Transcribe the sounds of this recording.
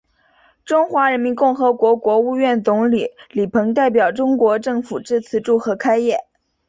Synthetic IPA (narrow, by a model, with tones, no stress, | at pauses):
ʈ͡ʂʊ˥ŋxwa˧˥ɻə˧˥nmi˧˥nkʊ˥˩ŋxɤ˧˥kwɔ˧˥kwɔ˧˥u˥˧ɥɛ˥˩nt͡sʊ˧˥ŋli˨˩˦li˨˩pʰɤ˧˥ŋt̪a˥˩ɪp̬jɑ˨˩ʊʈ͡ʂʊ˥ŋkwɔ˧˥ʈ͡ʂɤ˥˩ŋfu˨˩ʈ͡ʂɻ̩˥˩t͡sʰɹ̩˧˥ʈ͡ʂu˥˩xɤ˧˥kʰa˥ɪjɛ˥˩˦n